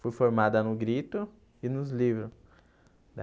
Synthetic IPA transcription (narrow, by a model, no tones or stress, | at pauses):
fujfoɾmad̪ɐnʊɡɾit̪ʊ | ɪnʊzlivɾʊ | d̪